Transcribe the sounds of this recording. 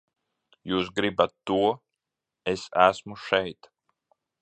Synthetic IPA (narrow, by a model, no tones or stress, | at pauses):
juːsɡɾibat̪ːuɔ | esæsmuʃɛjt̪